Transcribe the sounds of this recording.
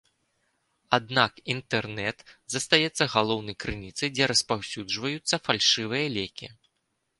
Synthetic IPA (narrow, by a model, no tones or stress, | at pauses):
ad̪nakint̪ɛrnɛt̪zɐst̪ajɛt̪sːɐɣalˠɔwnɐjkɾɨnʲit̪sɐjd͡zʲɛɾɐspawsʲud͡ʐvɐjut̪sːɐfalʲʂɨvɨjɐlʲɛkʲḭ